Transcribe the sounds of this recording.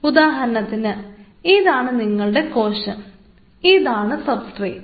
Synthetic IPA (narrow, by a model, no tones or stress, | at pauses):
ud̪aːɦɐɾɐnɐt̪ːinɨ | iðaːɳɨniŋːɐɭuɽe̞ko̞ːɕɐm | iðaːɳɨsɐbsʋɐj